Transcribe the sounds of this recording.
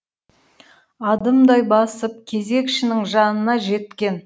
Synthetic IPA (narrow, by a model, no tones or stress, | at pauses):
ɑd̪əmd̪ɑjbɑsəp̚kʲʰe̞ze̞kʃɪnɪŋʒɑnənɑʒe̞t̪kʲe̞n